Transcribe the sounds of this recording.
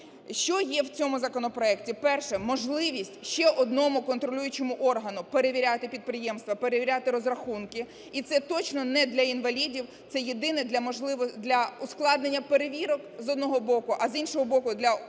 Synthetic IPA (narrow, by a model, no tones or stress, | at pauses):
ʃt͡ʃɔjɛwt͡sʲɔmʊzɐkɔnɔpɾɔɛktʲipɛrʃɛmɔʒlˠɪʋʲisʲtʲʃt͡ʃɛʔɔd̪nɔmʊkɔnt̪ɾɔlʲujʊt͡ʃemʊʔɔrɦɐnʊpeɾeʋʲiɾʲat̪ɪpʲid̪̚pɾɪjɛmst̪ʋɐpe̞ɾeʋʲiɾʲat̪ɪɾɔzrɐxunkɪ | it̪sɛt̪ɔt͡ʃnɔnɛd̪lʲɐinʋɐlʲidʲiwt̪sɛjed̪ɪnɛd̪lʲɐmɔʒlˠɪʋɔd̪lʲɐʊsklˠɑd̪nenʲːɐpeɾeʋʲiɾɔkzɔd̪nɔɦɔbɔkʊʔɐzinʃɔɦɔbɔkʊd̪lʲɐ